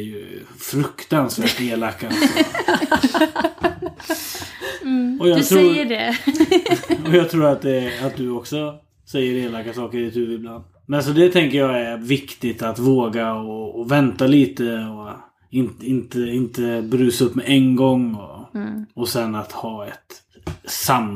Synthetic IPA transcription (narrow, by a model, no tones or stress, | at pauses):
jɵ̰ | fɾɵkt̪ansvæːʈeːlakːa | ɔjɑːt̪ʰɾuːjəɖɛ | ɔjɑːɡt̪ʰɾuːɾat̪̚d̪ɛat̪̚d̪ɵɔksɔ | sɛjːəɾeːlakːasɑːkəɾɛɪt̪d̪ɵvɪlbland̪ | mɛnas̬ɔd̪ɛt̪ʰɛŋkəjɑːɡæɾvɪkt̪ɪt̪at̪voːɡaɔːvɛnt̪aliːt̪əɔ | ɪnɪnt̪əɪnt̪əbɾʉ̟ːsaɵpːmɛʔɛnɡɔŋːɔ | ɔsɛnːat̪hɑːɛt̪ | sam